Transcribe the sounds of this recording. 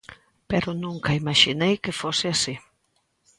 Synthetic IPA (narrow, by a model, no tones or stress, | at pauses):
peɾʊnũŋkɐimaʃinejkɪfosɪasi